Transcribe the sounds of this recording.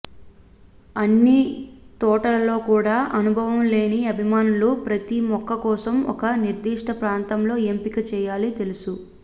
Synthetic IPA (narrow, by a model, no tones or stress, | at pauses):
ɐnːit̪ɔːʈɐlɐlo̞ːkuːɽaːʔɐnubʱɐʋɐmle̞ːniɐbʱimaːnulupɾɐt̪imɔkːɐkɔːsɐmɔ̰kɐniɾd̪iːʂʈʰɐpɾaːnt̪ɐmlo̞ːempikɐt͡ʃɛːjaːlit̪e̞lusu